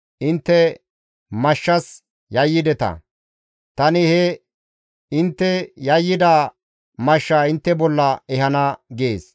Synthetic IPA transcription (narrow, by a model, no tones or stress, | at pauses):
ʔɪnt̪ːɛ | mɐʃːɐs | jɐjːɪd̪ɛt̪ɐ̰ | t̪ɐnɪhɛ | ɪnt̪ːɛjɐjːɪd̪aː | mɐʃːaːɪnt̪ːɛbɔlːɐɛhɐnɐɡeːs